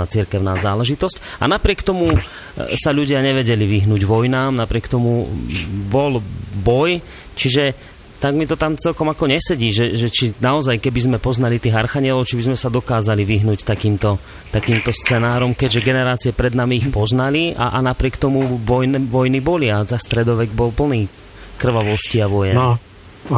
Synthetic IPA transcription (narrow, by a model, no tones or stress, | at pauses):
at͡siɾkɛʊnaːzaːlɛʒit̪ɔsca̰napɾɪɛkt̪ɔmu | saʎuɟɪaɲɛʋɛɟɛliʋiɦnuːɟʋɔjnaːmnapɾɪɛkt̪ɔmu | bɔlbɔj | t͡ʃiʒɛ | t̪aɡmit̪ɔt̪amt͡sɛlkɔmakɔɲɛsɛɟiːʒɛʒɛt͡ʃinaɔzajkɛbizmɛpɔznalit̪iːɣaɾxaɲɪɛlɔʊt͡ʃibizmɛsad̪ɔkaːzaliʋiɦnuːct̪akiːmt̪ɔ | t̪akiːmt̪ɔst͡sɛnaːɾɔmkɛɟʒɛɡɛnɛɾaːt͡siɛpɾɛd̪namiːixpɔznalia̰ʔanapɾɪɛkt̪ɔmuʋɔjnɛʋɔjnibɔliazast̪ɾɛd̪ɔʋɛɡbɔlpl̩niː | kr̩ʋaʋɔsciaʋɔjɛ